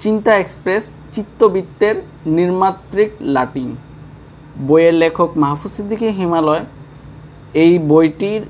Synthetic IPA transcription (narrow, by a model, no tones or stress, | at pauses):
t͡ɕint̪aekspɾes | t͡ɕit̪ːobit̪ːeɾ | niɾmat̪ːɾiklaʈin | bojeɾlekʰokmaɦafusid̪ʱːikeɦimalɔe | ejbojʈiɾ